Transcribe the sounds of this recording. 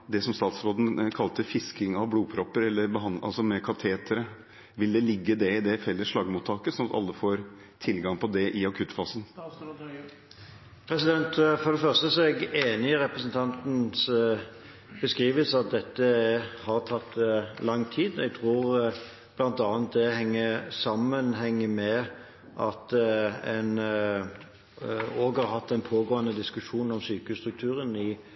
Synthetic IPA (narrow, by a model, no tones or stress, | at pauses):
d̪ɛsɔmst̪ɑːt̪sɾoːd̪n̩kʰɑlt̪əfɪskɪŋɑʋbluːpʰɾɔpːəɾɛlːəɾbəɦɑnɑ̰lsɔmɛkʰɑt̪ʰeːt̪əɾə | ʋɪld̪ɛlɪɡːəd̪ɛɪd̪ɛfɛlːəʂɭɑɡəmʊt̪ʰːɑːkəsɔnɑt̪ɑ̰lːəfoːɾ | t̪ʰɪlɡɑŋpʰɔd̪ɛʔɪɑkʰʉt̪ːfɑːsən | pʰɾɛsɪd̪ɛnt̪fɔd̪ɛfœʁst̪əsɔɛɡeːnɪɾɛpɾəsənt̪ʰɑnt̪n̩s | bəskʁiːʋəlsɑt̪̚d̪ɛt̪ːəhɑʁt̪ʰɑt̪ːlɑŋt̪ʰiːd̪ɛɡ̚t̪ʰʁuːʁ | b̥lɑnt̪ɑːnt̪̚d̪ɛhɛŋːəsɑmːənɦɛŋːəmɛ | ʔɑt̪ɛn | oːɡhɑɾhɑt̪ːɛɪnpʰoːɡoːənəd̪ɪskʉʂuːnɔmsyːkəʉst̪ɾʉk̚t̪ʰʉːɾənɪ